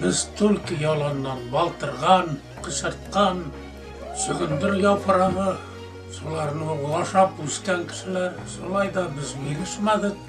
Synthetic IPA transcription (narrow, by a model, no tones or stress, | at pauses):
bɘzt̪ʰʉlʲkəjɒlˠɑnːɑnbɒlˠt̪ɤ̆ɾʁɑn | qə̆ɕɤ̆ɾt̪̚qɑn | ɕɵ̆ɡɵ̆nd̪ɘɾjɒpʰɤ̆ɾɑʁɤ | sulˠɑɾnɤulˠɑʃɑpʉskæŋkɘ̥̆ʃɘ̆læɾ | sulˠɑjd̪ɑbɘzbilɘʃmæd̪ɪk̚